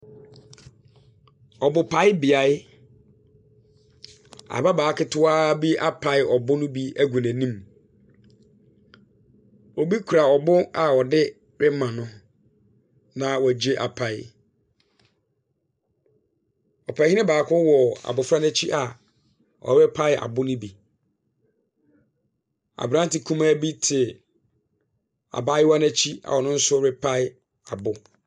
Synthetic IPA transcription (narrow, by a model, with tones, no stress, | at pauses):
ɔ˨bʊ˨pʰa˨˦ɪ˦bɪ˨a˨ɪ˦ | a̰˨ba˦baː˨˦kɪ˦tʰʊ˦aː˦bi˦a˦pʰa˨ɪ˨ɔ˨bʊ˦nʊ̃˦bi˦æ˦ɡʷu˨næ̃˨nĩ˦m | ɔ˨bi˦kʰu˨ɾa˨ɔ˨bʊ˦a˨wɔ˨dɪ˦ | ɾɪ˦mã˨nʊ̃˦ | nã˨wæ˨d͡ʑe˦ʔa̰˨pʰa˨ɪ̰˦˨ | ɔ˨pʰa˨˦ɪ˦nɪ̃˦baː˨kʰʊ˦wɔ˨a̰˨bʊ˨fɾa˦næ˦t͡ɕʰi˦ʔa˨ | ʔɔ̰˨ɾɪ˦pʰa˦ɪ˦ʔa̰˨bʊ˦nɪ̃˦bi˨ | a̰˨bɾã˦n˦tɪ˨kʰũ˦ma˦bi˦tʰɪ˨ | a̰˨ba˦ɪ˦wa˦næ˦˨t͡ɕʰi˦a̰˨wɔ˨nʊ̃˦n̩˦sʊ˦ɾɪ˦pʰa˦ɪ˦ | a˨bʊ˦